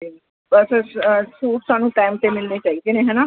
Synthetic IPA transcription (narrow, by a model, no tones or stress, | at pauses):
əssuːʈsaːnũːʈaːmt̪emɪlnet͡ʃaːid̪eːneɦɛːnaː